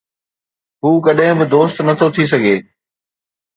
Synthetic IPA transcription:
ɦuːkɐɗɦɪ̃bɪd̪oːst̪nɐt̪ʰot̪ʰis̬ɐɡʱeː

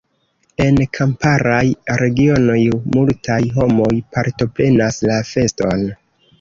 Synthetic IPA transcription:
e̞nkʰampaɾajɾe̞ɡio̞no̞jmultʰajɦo̞mo̞jpaɾto̞pɾe̞naslafe̞sto̞n

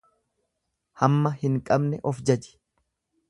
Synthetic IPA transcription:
hɐmːɐhɪŋkʼɐbnɛʔɔfd͡ʒɐd͡ʒɪ̥

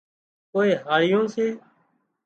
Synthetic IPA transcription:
koːeːɦaːɽɪjõːseː

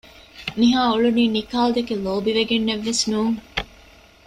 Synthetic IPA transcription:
niɦaːuɭuniːnikaːld̪ekeloːbiʋeɡenːeʋːesnuːŋ

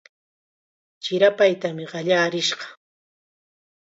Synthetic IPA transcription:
t͡ʃɪɾapajt̪amɪɢɑʎaːɾɪʃɢɑ

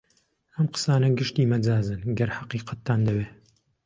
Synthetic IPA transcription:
ɐmqə̥saːnɐɡɨʃt̪iːmɐd͡zaːzɨnɡɐɾħɑqiːqɐt̪ːaːnd̪ɐweː

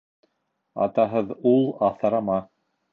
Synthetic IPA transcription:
ɑ̰t̪ɑɦɤðulˠɑθɑɾɑmɑ

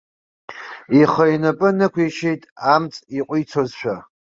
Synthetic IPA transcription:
iχəjnapʼɨnɨkʷʰiʃejtʼamt͡sʼiqʷʼʊjt͡sʰozʃʷᶣa

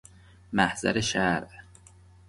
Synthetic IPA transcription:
mæhz̥æ̰ɾeʃæɾʔ

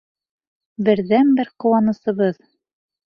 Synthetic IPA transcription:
bɘ̆ɾðænbɘɾqɤ̆wɑnɤ̆sɤ̆βɤð

